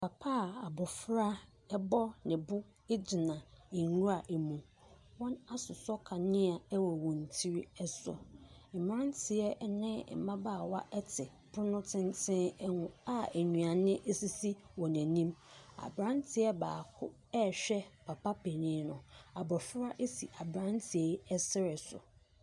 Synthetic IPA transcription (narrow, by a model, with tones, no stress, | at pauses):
pʰa˨pʰa˦˨a˨bɔ˨fɾa˦ | ɛ˦bɔ˦nɪ̃˨bʊ˦ | e˦d͡ʑɪ˨nã˨ɪ˨˦nũ˦a˨ʔe˨mũ˨ | wɔ̃˦na˦sʊ˨sɔ˦kʰa˨nɪ̃˦a˨ɛ˦wɔ˨wɔ̃˨n˨tʰi˦ɾi˦ɛ˦sɔ̰˨m̩˨m˦ɾã˦ntʰɪ˨ɛ˦nɪ̃˦˨mã˦ba˦˨wa˦ʔɛ˦tʰɪ˨ | pʊ˦nʊ̃˦tʰɪ̃˦n˦tʰɪ̃˦ŋʊ̃˦a˦æ˨ɲũ˨a˨nɪ̃˦ʔe˦si˦si˦wɔ̃˨næ̃˨nĩ˦ma̰˨bɾã˦ntʰɪ˨ɛ˦baː˨kʰʊ̰˦ | ɛ˦˨ɕᶣɛ˦pʰa˨pa˦pʰɛ˨nɪ̃˨˦nʊ̃˨a˨bɔ˨fʊ˦ɾa˦ʔe˦sḭ˨ʔa˨bɾã˦ntʰɪ˨ɛ˨ɛ˦sɪ˦ɾɪ˨sʊ̰˨